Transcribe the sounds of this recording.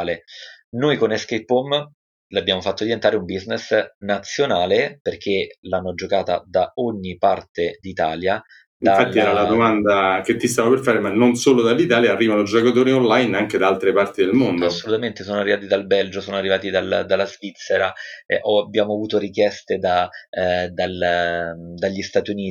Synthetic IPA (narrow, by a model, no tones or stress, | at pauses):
lenojkoneskepːom | labjaːmofat̪ːod̪jent̪aːɾeumbiznesnat̪sːjonaːleperk̟ʰelanːod͡ʒokaːt̪a̰d̪aɔɲːipart̪ed̪it̪aːlja | diafalːiɛːɾalad̪omand̪ak̟et̪ːist̪aːvaperfaːɾemanːonsoːlod̪alːit̪aːljaːrːiːvanod͡ʒokat̪oːɾionlajnaŋked̪aalt̪ɾepart̪id̪elmond̪aosːolut̪ament̪esoːnoarːivaːt̪id̪albɛld͡ʒosoːnoarːivaːt̪id̪ald̪alːazvit̪sːeɾaɛ̰ʔɔabːjaːmoavuːt̪oɾikjɛst̪ed̪a | d̪al | d̪aʎːist̪aːt̪juniː